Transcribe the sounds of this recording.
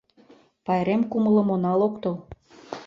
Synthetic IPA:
pɑjeɾemkumələ̆monɑlokt̪ɤl

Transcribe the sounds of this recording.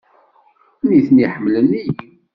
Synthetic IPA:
niθniħəmːləni

